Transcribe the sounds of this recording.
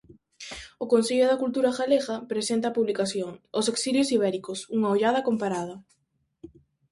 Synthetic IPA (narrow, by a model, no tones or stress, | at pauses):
ʊkonseʎʊðɐkult̪uɾaxaleɣapɾesent̪apuβlikaθjoŋʊseksiljʊsiβ̞ɛɾikosuŋaoʎað̞ɐkompaɾað̞ɐ